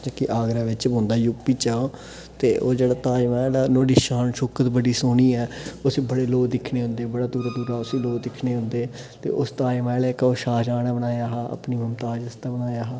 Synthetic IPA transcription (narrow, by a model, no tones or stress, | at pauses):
d͡ʒkɪʔaːɡɾaːʋɪt͡ʃbõːnd̪aːjʊkpiːt͡ʃaːoː | t̪eːʔoːd͡ʒeːɽaːt̪aːjmaːlɛːnoːɖiːʃaːnʃoːkət̪bəɽiːsoːniːɛːʊsibəɽeːloːd̪ɪkʰnẽːɦʊ̃nd̪eːbəɽaːd̪uːɾaːd̪uːɾaːʊsiːloːd̪ɪkʰneːɦʊ̃nd̪eː | t̪ḛːʔʊst̪aːjmaːlɛːkoːʃaːd͡ʒaːnaːbənaːjaːɦaːə̰pniːməmt̪aːd͡ʒəst̪aːbənaːjaːɦaː